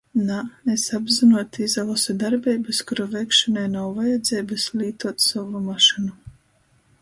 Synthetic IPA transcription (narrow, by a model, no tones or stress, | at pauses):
naesabzinuɔt̪izavɔsud̪aɾbɛjbɨskuɾavɛjkʃɔnajnawvajɛd̪zʲɛjbɨslʲiːt̪uɔt̪savumaʃinu